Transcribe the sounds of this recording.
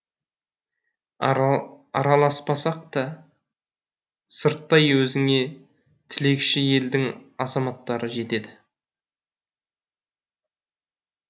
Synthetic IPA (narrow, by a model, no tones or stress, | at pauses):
ɑ̰ɾɑlˠɑspɑsɑqt̪ɑ | səɾt̪ːɑjwɵzɪŋe̞ | t̪ʰɪle̞kʲʃɪje̞ld̪ɪŋɑzɑmɑt̪ːɑɾəʒe̞t̪e̞d̪ɪ